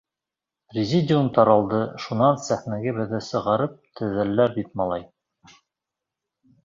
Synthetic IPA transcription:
rʲɪzʲidʲɪont̪ɑɾɑlˠd̪ɤʃunɑnsæxnæɡɘβɘ̆ðɘsɤ̆ʁɑɾɤp̚t̪ʰɵ̆ðælːæɾbit̪̚mɑlˠɑj

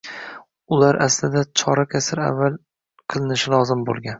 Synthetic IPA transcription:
ʊlaɾʔaslɪd̪at͡ʃʰɒɾakʲʰasɪɾa̰vːalˠ | qʰɨlˠɪnɪʃɪlˠɒzɪmbolˠɡʲan

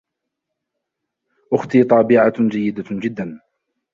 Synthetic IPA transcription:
ʔʊxt̪iːt̪ˤɑːbɪʕad͡ʒajːɪd̪ad͡ʒɪd̪ːan

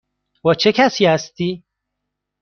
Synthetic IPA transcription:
wɐt͡ʃʰekʰasiast̪i

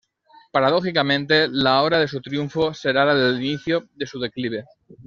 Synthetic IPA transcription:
paɾaðo̞xikamẽnt̪e̞lao̞βɾaðe̞s̬ut̪ɾjuɱfo̞se̞ɾalaðeliniθjoðe̞suðe̞kliβ̞e̞

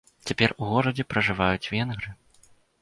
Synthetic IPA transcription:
t͡sʲapʲɛruɣɔɾɐd͡zʲɛpɾɐʐɨvajut͡sʲvʲɛnɣɾɨ

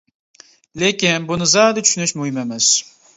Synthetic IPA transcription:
lekʲɪnbʊnɪzad̪at͡ʃʰʊʃynɪʃmʊhɪmemɪz̥

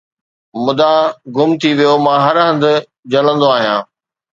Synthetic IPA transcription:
mʊd̪aɡʊmt̪ʰiʋijomãːɦɐɾɦə̃nd̪ʊ̆ | d͡ʑɐlə̃nd̪oaːɦijãː

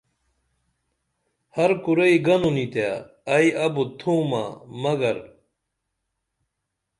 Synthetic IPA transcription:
hɐɾkuɾɐiɡɐnunit̪ja | ɐiɐbut̪ʰuːma̰ːmɐɡɐɾ

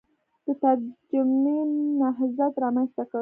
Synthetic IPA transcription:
d̪̥ət̪aɾd͡ʒamenaɦzat̪ɾɑmanst̪aka

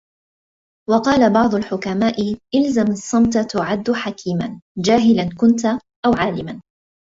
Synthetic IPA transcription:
wɑqɑːlabɑʕd̪ˤʊlħʊkamaːʔɪʔalzamɑsˤːɑmt̪at̪ʊʕad̪ːʊħakʰiːmand͡ʒaːɦɪlankʊnt̪ | ʔawʕaːlɪman

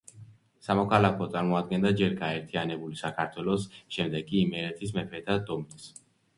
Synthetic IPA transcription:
samɔkʰalakʰɔt̪sʼaɾmɔad̪̚ɡɛnd̪ad͡ʒɛɾɡaɛɾt̪ʰianɛbulisakʰaɾt̪ʰwɛlˠɔsʃɛmd̪ɛɡʼiːmɛɾɛt̪ʰismɛpʰɛt̪ʰad̪ɔmnɛs

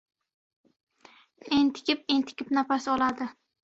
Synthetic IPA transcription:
ent̪ʰɪ̥kʲɪpent̪ʰɪ̥kʲʰɪpnapasɪɒlˠad̪ɪ

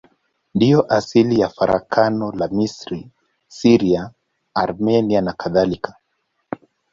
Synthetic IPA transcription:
ndijɔʔasilijafaɾa̰kʰanɔlamisɾi | siɾiaː | ɾmɛnianakaðalikḁ

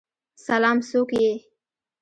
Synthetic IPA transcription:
salɑːmsokje

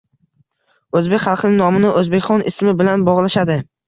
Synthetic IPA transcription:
ɵzbekʲχɑlˠqʰɨnɪnɒmɪnɪʔɵzbekʲχɒnɪsmɪbɪlanbɒʁlˠaʃad̪ɪ

